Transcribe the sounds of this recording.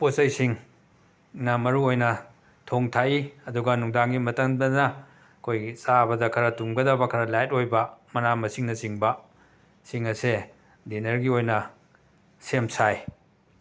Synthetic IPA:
posɐjsiŋ | nɐmɐɾuojnɐ | tʰoŋtʰaiɐduɡɐnuŋdaŋɡimɐtɐŋdɐnɐ | ɐkʰojsabɐdɐkʰɐɾɐtuŋɡɐdɐbɐkʰɐɾɐlajt̚ojbɐmɐnamɐsiŋnɐt͡ʃiŋbɐ | siŋɐse | dinɐɾɡiojnɐ | semsaj

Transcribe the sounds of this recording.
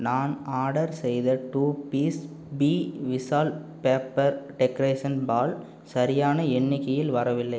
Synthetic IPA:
naːnaːɽɐɾsɛjðɐʈːupiːs | biːʋɪsaːlpeːpːɐɾʈɛkɾeːʂɐnbaːl | sɐɾɪjaːnɐɛɳːɪkːɐjɪlʋɐɾɐʋɪlːɐɪ

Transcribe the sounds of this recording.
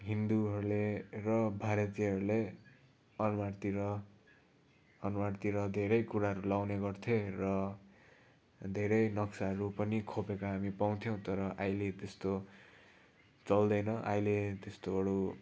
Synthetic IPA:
ɦind̪uɦʌɾulerʌbʱaɾʌt̪ijʌɦʌɾule | ʌnumart̪iɾʌ | ʌnuart̪iɾʌd̪ʱeɾʌjkuɾaɦʌɾulawneɡʌrt̪ʰerʌ | d̪ʱeɾʌjnʌksaɦʌɾupʌnikʰopekaɦamipaw̃t̪ʰijʌw̃t̪ʌɾʌʔajlet̪est̪o | t͡sʌld̪ʌjnʌʔajlet̪est̪obʌɽu

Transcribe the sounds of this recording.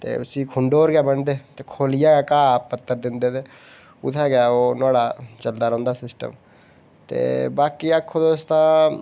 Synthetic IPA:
t̪ḛːʊsĩːkʰʊɳɖoːɾɡaːbəɳd̪eːt̪eːkʰoːlɪjaːɡaːkãːpət̪ːəɾd̪ɪnd̪eːt̪eː | ʊt̪ʰaːɡɪaːoːnʊaːɽaːt͡ʃəld̪aːɾə̃ːnd̪aːsɪsʈə̰m | t̪ḛːbaːkiːakʰːoːd̪oːst̪ãː

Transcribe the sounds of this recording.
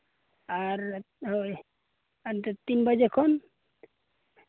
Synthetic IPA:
aɾ | ɦoj | t̪inbad͡ʒekʰɔn

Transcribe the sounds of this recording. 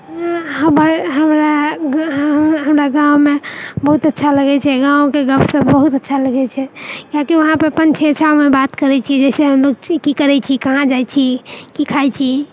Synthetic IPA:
ɦəməɦəmɾa | ɦəmɾaɡãwmebəɦut̪ətːʃʰaləɡɛt͡ʃʰɛɡãwkeɡəpʰsəbbəɦut̪ətːʃʰaləɡɛt͡ʃʰɛkãkiʋəɦãpəɾpənt͡ʃʰet͡ʃʰawmebat̪kəɾɛt͡ʃʰid͡ʒɛseɦəmloɡkikəɾɛt͡ʃʰikəɦãd͡ʒajt͡ʃʰikikʰajt͡ʃʰi

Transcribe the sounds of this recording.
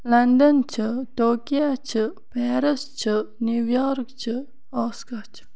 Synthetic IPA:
land̪ənt͡ɕʰət̪okijat͡ɕʰəpaɾəst͡ɕʰənuwjɔɾk̚t͡ɕʰə | ɔskat͡ɕə̥

